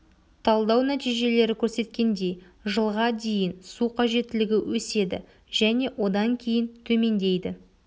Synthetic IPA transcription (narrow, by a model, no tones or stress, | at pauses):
t̪ʰɑlˠd̪ɑwnæt̪ijʒe̞le̞ɾɪkʲʰɵɾse̞t̪kʲe̞nd̪e̞ | ʒəlˠʁɑd̪e̞jɪnsuqʰɑʒe̞t̪ːɪlɪɡʲɪwʔɵse̞d̪ɪ̰ | ʒæne̞wo̞d̪ɑŋkʲʰe̞jɪnt̪ʰɵme̞nd̪e̞jd̪ɪ